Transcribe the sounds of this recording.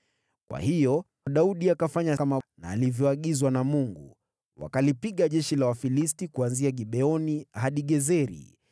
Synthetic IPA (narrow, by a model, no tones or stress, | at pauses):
kwa̰hijɔ | aɗauɗiakafaɲaamana̰ːlivjɔaɠizwanamuŋɡṵ | wa̰kalipiɠaʄɛʃilawafilistikuanziaɠiɓɛɔnihaɗiɠɛzɛɾḭ